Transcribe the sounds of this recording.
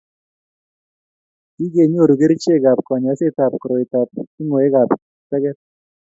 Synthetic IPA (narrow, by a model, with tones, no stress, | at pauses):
ki˦ɡe˨ɲ˦o˦˨ɾu˨ɡe˦ɾi˦t͡ʃe˦˨ɡa˨p̚kɔ˨ɲ˨a˨˦se˦ta˨p̚kɾo˨i˨ta˨p̚kɪ˦ŋo˨e˦ɡa˨p | tɛ˦ɡɛ˦t̚